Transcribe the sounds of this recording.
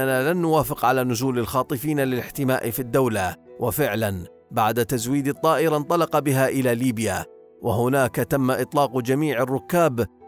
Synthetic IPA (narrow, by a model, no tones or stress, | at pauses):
anaːlanːʊwaːfɪqʕalaːnʊzuːlalxɑːt̪ˤɨfiːnalɪlɪħt̪ɪma̰ːʔɪfiːd̪ːawlawʔafɪʕlan | baʕd̪at̪azwiːd̪ɪt̪ˤːɑːʔɪɾant̪ˤɑlɑqɑbɪɦaːʔɪlaːliːbɪja | wʔaɦʊnaːkat̪amːaʔɨt̪ˤlɑːqd͡ʒamiːʕɪrːʊkːaːb